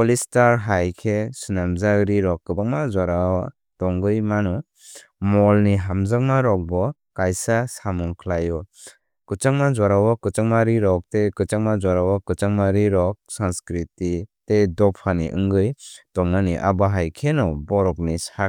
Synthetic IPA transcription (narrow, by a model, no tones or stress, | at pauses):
pɔlistaɾɦajkʰesɯnamzaɾiɾɔkːɯbaŋmazaɾawa | tɔŋɡɯjmanɔ | mɔlniɦamzaŋ̚maɾɔk̚bɔ | kajsasamɔŋkʰlajɔ | kɯt͡ʃaŋmazwaɾawakɯt͡ʃaŋmaɾiɾɔk̚tekɯt͡ʃaŋmazwaɾawakɯt͡ʃaŋmaɾiɾɔk̚sanskɾititedɔpʰaniʔɯ̰ŋɡɯjtɔŋnaniʔa̰baɦajkʰenɔbɔɾɔk̚nisa